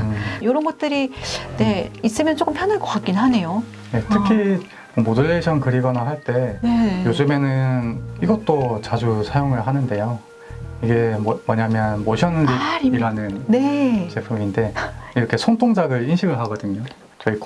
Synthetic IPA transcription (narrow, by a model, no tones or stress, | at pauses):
ɯjoɾʌnɡʌt̚t͈ɯɾine̞is͈ɯmjʌnt͡ɕ͈ok͈ɯmpʰjʌnɯɭkokak͈inɦane̞jo | ne̞tʰɯkʰi | omodɯɭːeɕʰʌnkɯɾiɡʌnaɦaɭt͈e̞nejod͡ʑɯme̞nɯniɡʌt͈ot͡ɕad͡ʑusʰajoŋɯɭɦanɯnde̞jo | iɡe̞mwʌɲamjʌnmoɕʰjʌnːɯniiɾanɯnne̞t͡ɕepʰuminde̞iɾʌkʰe̞sʰoŋtʰoŋd͡ʑaɡɯɭinɕʰiɡɯɭɦaɡʌdɯɲo | t͡ɕʌik